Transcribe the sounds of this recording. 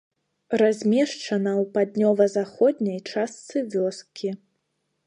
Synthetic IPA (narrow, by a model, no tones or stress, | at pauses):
razʲmʲɛʂt͡ʂɐnɐwpad̪ʲnʲɔvɐzaxɔd̪ʲnʲɐjt͡ʂast̪sɨvʲɔskʲʰi